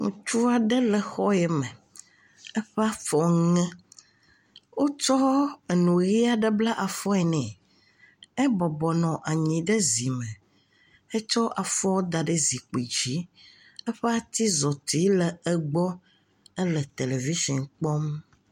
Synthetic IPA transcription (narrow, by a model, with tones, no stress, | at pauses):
ŋṵ̃˨t͡ʃu˦a˨ɖɛ˦lɛ˨xɔ˦jɛ˨mɛ̃˨ | ɛ˦ɸɛ˦a˦fɔ˦ŋɛ̃˦ | wo˦t͡ʃɔ˦e˨nũ˨ɣi˦a˨ɖɛ˦bla˦ʔa˨fɔ˦ɛ˨nɛ̃˨ | ɛ˦bɔ˨bɔ˨nɔ̃˨ʔa˨ɲĩ˨ɖɛ˦zi˨mɛ̃˨ | ɛ˦t͡ʃɔ˦ʔa˨fɔ˦wo˦d̪a˨ɖə˦zi˨k͡pi˨d͡ʑi˦ | ɛ˦ɸɛ˦a˦t̪i˦zɔ˨t̪i˨˦lɛ˨ɛ˦ɡ͡bɔ˦ | ɛ˦lɛ˨t̪e˨le˨vi˦ʃɔ˨nk͡pɔ˦m